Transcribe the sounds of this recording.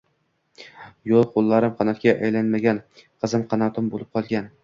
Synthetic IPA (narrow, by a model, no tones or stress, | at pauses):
jolˠqʰolˠːaɾɪmqʰɑnɒt̪̚kʲaʔajlanmaɡʲanqʰɨzɪmqʰɑnɒt̪ʰɪmbolˠɪp̚qʰɒlˠɡʲan